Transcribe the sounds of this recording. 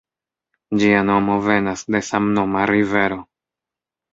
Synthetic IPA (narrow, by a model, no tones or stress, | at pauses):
d͡ʒiano̞mo̞ve̞nasde̞samno̞maɾive̞ɾo̞